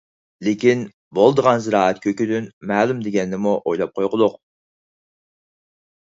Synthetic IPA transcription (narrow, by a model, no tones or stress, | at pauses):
lekʲin | bolˠd̪əʁɑnzɨɾɑːɛt̪kʲʰøkʲyd̪ynmæːlˠumd̪eɡʲɛnːɪmuʔojlˠɑp̚qʰojʁəd̪ˠʊq